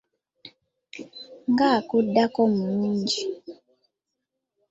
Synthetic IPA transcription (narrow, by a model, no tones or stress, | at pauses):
ŋɡakudːakɔmuuːɲɟi